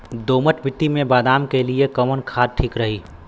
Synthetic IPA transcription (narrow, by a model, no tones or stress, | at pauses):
d̪oːməʈbʱɪt̪imẽbaːd̪aːmkeliekəmənkʰaːd̪̚ʈʰiːkɾəɦiː